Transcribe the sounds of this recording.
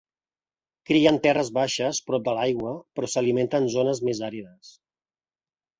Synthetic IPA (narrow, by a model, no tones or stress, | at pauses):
kɾiənt̪ɛrəzβaʃəspɾɔp̚d̪əlajɣwəpɾɔsəliment̪ənzonəzmezaɾiðəs